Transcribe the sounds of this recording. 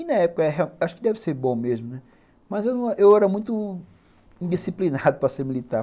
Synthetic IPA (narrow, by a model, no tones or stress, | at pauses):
inɐɛpʊ̥kɐɛɦeaaʃʊ̥kɪd̪ɛvɪseɾbõmezmʊnɛ | mɐzewnɐ̃w̃ʔewɛɾɐmũj̃t̪ʊ | ĩd̪isiplinad̪ʊpɾɐseɾmilit̪aɾ